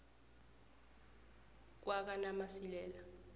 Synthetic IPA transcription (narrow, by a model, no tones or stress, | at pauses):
k̬wak̬anamasilɛːla